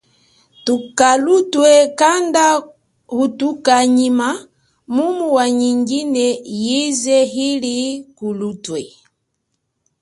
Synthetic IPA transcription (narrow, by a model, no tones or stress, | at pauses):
tukalutwɛkanda | hutukaɲima | mumuwaɲiŋɡinɛjizɛɦilikulutwɛ